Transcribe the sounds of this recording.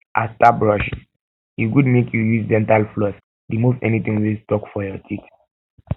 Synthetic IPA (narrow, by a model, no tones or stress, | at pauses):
ʔastabɹɔʃi | iɡudmekʰjujusdɛ̃ntalflɔs | dimufɛ̰nit̪ĩŋwistɔkfɔjɔtʰit